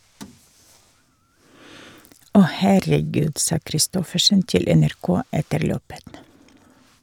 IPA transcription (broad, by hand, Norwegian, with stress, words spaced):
ˈɔh hæɾəˈɡʉːd ˈsɑː kɾɪˈstɔfəʃən ˈtɪl ɛnæɾˈkoː ˈɛtəɾ ˈløːpət